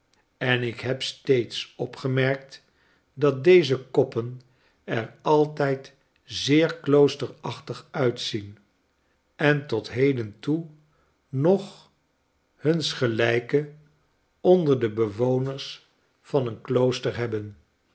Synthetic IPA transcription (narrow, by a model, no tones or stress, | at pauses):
ɛnɪkɦɛpstejtsɔpχəmɛɹk̚t | dɑt̚dejzəkɔpən | ɛɹɑlˠtɛjt | zɪːɹklowstəɹɑχtəχœɥtsin | ɛntɔtɦejdəntu | nɔχ | hɵnsχəlɛjkə | ɔndəɹdəbəʋownəɹs | fɑnənklowstəɹɦɛbən